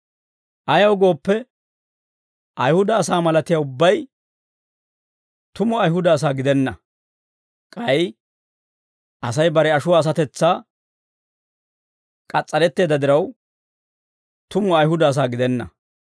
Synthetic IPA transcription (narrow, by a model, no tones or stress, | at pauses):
ʔɐjɐwɡo̞ːpːɛ | ʔɐjhʊd̪ɐːs̬aːmɐlɐt̪ɪjaːʊbːɐj | t̪ʊmɔɐjɦʊd̪ɐːs̬aːɡɪd̪ɛnːɐ | kʼɐj | ʔɐsɐjbɐɾɛɐʃʊwaːs̬ɐt̪ɛt͡sːaː | kʼɐt͡sʼːɐlɛt̪ːe̞ːd̪ɐd̪ɪɾɐw | t̪ʊmɔɐjɦʊd̪ɐːs̬aːɡɪd̪ɛnːɐ